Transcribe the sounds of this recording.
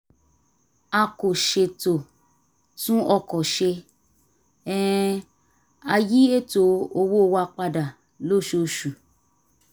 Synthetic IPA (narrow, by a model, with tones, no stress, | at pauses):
a˧ko˨ʃe˧to˨ | tũ˦ɔ˧kɔ˨ʃe˧ | ɛ˦ | a˧ji˦e˦to˨o˧wo˦o˧wa˧k͡pa˧da˨ | lo˦˨ʃo˧˨ʃu˨